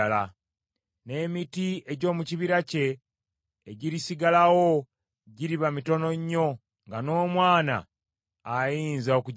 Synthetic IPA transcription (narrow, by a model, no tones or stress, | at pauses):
la | ne̞ːmitie̞ɟo̞ːmuciβiɾace̞ː | ɟiɾisiɡalawo̞ | ɟiɾiβamito̞no̞ɲːo̞ | ŋɡano̞ːmwaːna̰ː | jiːnzaoku